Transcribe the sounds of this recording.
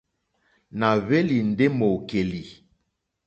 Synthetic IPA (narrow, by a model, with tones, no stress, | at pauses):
na˨βe˦li˨n̩˨de˦mo˨ke˨li˨